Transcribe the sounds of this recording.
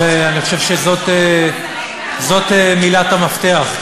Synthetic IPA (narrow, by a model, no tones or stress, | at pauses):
eaniχo̞ʃe̞vʃezot̪e | zo̞t̪emilat̪amaft̪e̞aχ